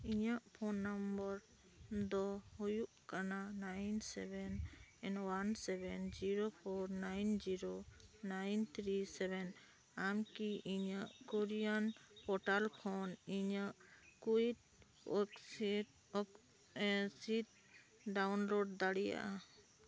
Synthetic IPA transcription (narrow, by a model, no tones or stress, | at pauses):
iɲaʔpʰɔnːambɔɾ | d̪ɔhujuʔkananajnsɛbɛnɛnwansɛbɛnd͡ʒiɾopʰɔɾnajnd͡ʒiɾonajnt̪ʰɾisɛbɛn | amkiʔiɲaʔkɔɾijanpɔʈalkʰɔniɲaʔkuid | ɔksid | ɔk | siʈ̚ | ɖawnloɖd̪aɽija̰ʔa